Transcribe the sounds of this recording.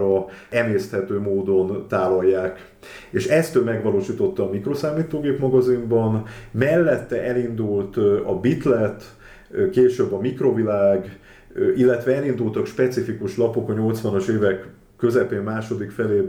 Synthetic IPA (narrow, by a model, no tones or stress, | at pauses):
ɒɛmeːst̪hɛt̪øːmoːd̪o̞nt̪aːvɒjːaːk | eʃɛst̪ømɛɡʋɒloːʃiːt̪o̞t̪ːɒːmikro̞saːmiːt̪oːɡeːpmɒɡɒzimbɒnmɛlːɛt̪ːɛʔɛlind̪ult̪ɒbit̪lɛt̪ | keːʃøbːɒmikro̞vilaːɡ | ʔilːɛt̪ʋɛɛlin̪d̪ult̪ɒkʃpɛt̪sifikuʃlɒpo̞kɒɲo̞lt̪sʋɒnoʃeːvɛkː | ø̞zɛpeːmmaːʃo̞d̪ikfɛleː